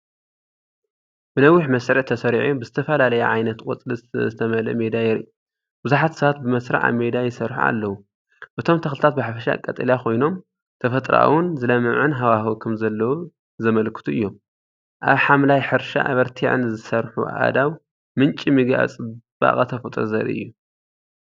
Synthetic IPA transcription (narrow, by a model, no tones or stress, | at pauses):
b̥ɨnɐwːiħmɐsɾɨʕt̪ʰɐsɐɾʕubɨzɨt̪ʰɐfɐlalɐjɛʕajnɐt̪kʼot͡sʼlizɨt̪ʰɐmɐlɐ̰med̪ajɪɾiu | bɨzuħat̪sɐβat̪̚bɨmɐsɾa̰ʕa̰βmed̪ajɪsɐɾħṵa̰lːɐwu | ʔɨt̪ʰo̞mt̪ʰɐxlɨt̪ʰat̪̚bɨħafɐʃa̰kʼːɐt̪ʼɐljakʰo̞jno̞m | t̪ʰɐfɐt̪ʼɾa̰wʊnzɨlɐmɨʕɨnɦawahokʰɐmzɐlːɐwu | zɐmɐlkʰɨ̥t̪ʰuʔɨjːo̞m | ʔaβħamlajħɨɾʃa̰ʔa̰βɐɾt̪ʰiʕɨ̰nzɨsɐɾħṵa̰d̪aw | mɨnt͡ʃʼimiɡa̰t͡sʼɨb̥a̰kʼɐt̪ʰɐfɐt̪ʼɾozɐɾḭʔɨ̰jːu